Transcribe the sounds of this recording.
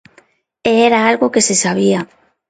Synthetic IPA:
eeɾaalɣokesesaβ̞ia

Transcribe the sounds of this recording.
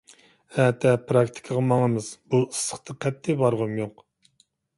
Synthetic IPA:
ɛt̪ʰɛpɾɑkt̪ʰɪ̥kʲʰəʁəmɑŋəmɨz̥b̥uɨsːə̥χt̪ʰɨqʰɛt̪ʰːɪbɑɾʁʊmjoq

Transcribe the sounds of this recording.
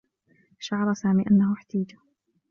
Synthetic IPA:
ʃaʕɑɾˤɑsaːmiːʔanːahʊħt̪aːd͡ʒḁ

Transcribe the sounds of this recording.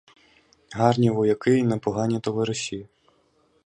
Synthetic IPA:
ɦɑrnʲiʋɔjɐkɪjnɛpɔɦɑnʲit̪ɔʋɪɾɔsʲi

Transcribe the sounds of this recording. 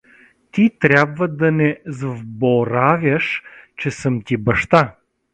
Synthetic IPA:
t̪it̪ɾʲabvəd̪ɐnɛzvbɔɾavʲjəʃt͡ʃɛsəmt̪ʲibɐʃt̪a

